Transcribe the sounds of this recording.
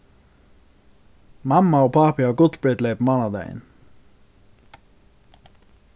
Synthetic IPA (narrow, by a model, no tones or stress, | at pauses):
mɑmɑoːpʰɑːpɪɑːɡʊt̪sbɹɛt̪leɪpmɑnɑd̪æ̰ɪ̰n